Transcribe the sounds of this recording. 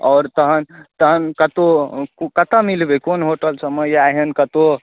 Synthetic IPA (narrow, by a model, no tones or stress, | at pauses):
ɔːɾt̪əɦənt̪əɦənkət̪okkət̪amilbekonɦoʈəlsəməjaɦənkət̪o